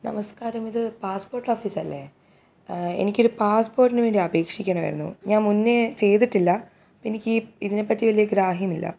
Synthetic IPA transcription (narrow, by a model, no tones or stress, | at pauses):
nɐmɐskaːɾɐmiðɨpaːspoːrʈːoːfiːsɐlːe | e̞̰nikʲːo̞ɾupaːspo̞ːrʈːinɨʋe̞ːɳɖiɐbe̞ːkʂikʲːɐɳɐmʋɐ̰jɾunːṵɲaːnmunːet͡ɕe̞jt̪̬iʈːilːɐ | enikʲːiiðine̞pːɐtːiʋɐlijɐɡɾaːɦjɐmilːɐ̰